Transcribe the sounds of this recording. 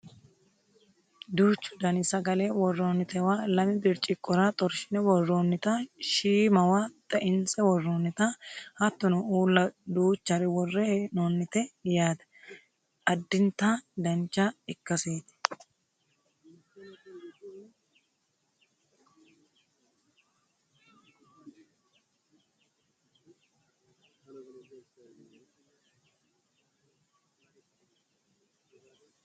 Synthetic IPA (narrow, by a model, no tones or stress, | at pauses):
d̪uːt͡ʃːʊ̥d̪ɐnɪsɐɡɐlewɔrːoːnːɪt̪ɛwaːlɐmɪd̪ɪɾt͡ʃʼːɪkʼːɔɾɐt̪ʼɔɾʃɪnɛwɔrːoːnːɪt̪ɐʃiːmɐwat̪ʼɐʔɪnt͡sʼɛwɔrːoːnːɪt̪ɐhɐt̪ːɔnʊuːlːɐd̪uːt͡ʃːɐɾɛwɔrːenonːɪt̪ɛjaːd̪ɐ̥ | ɐd̪ːɪnt̪ad̪ɐnt͡ʃːɐɪkːɐseːt̪ɪ̥